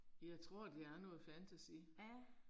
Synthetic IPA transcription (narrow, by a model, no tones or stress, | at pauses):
jɑ̈ɪt͡sʰʁo̝ɐ̰d̥eæɐnɔ̽ːð̩ˠfænt͡sʰæsḭ